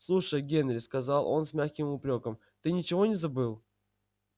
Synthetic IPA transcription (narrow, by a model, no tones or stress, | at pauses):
slˠuʂəjɡʲenɾʲɪskɐzɑlˠʔo̞nsmʲaxkʲɪmʊpɾʲo̞kəm | t̪ɨnʲɪt͡ɕɪvo̞nʲɪzɐbɨlˠ